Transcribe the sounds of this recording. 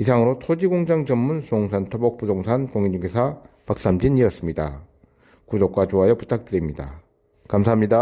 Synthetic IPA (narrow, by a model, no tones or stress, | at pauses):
isʰaŋɯɾotʰod͡ʑiɡoŋd͡ʑaŋd͡ʑʌmːunsooŋsʰantʰobʌk̚p͈udoŋsʰankoŋiɲd͡ʑuɡesʰapak̚s͈amd͡ʑiɲiʌs͈ɯmɲida | kudok͈wat͡ɕoɦajʌputʰak̚t͈ɯɾimɲida̰ | kamsʰaɦamɲida